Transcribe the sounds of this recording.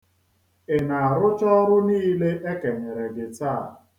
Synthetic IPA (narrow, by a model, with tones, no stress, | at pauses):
ɪ˨na˨a˨ɾʊ˦t͡ʃɔ˦ɾʊ˦niː˦le˦ʔe˦ke˨ɲe˨ɾe˨ɡɪ˨taː˦˨